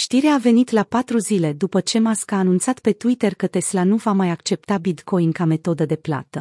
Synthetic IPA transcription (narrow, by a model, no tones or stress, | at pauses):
ʃt̪iɾeaːve̞nit̪lapat̪ɾuzile̞d̪upət͡ʃe̞maskaːnunt̪sat̪pe̞t̪uit̪erkət̪e̞slanuvamajakt͡ʃe̞pt̪abit̪ko̞jiŋkame̞t̪o̞d̪əd̪e̞pla̰t̪ə